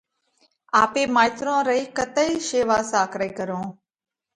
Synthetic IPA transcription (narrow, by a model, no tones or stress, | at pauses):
aːpeːmaːjt̪ɾõːɾəiːkət̪əiʃeːʋaːsaːkɾəikəɾõː